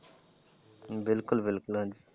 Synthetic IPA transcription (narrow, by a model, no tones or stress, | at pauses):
bɪlkʊlbɪlkʊlãːd͡ʒi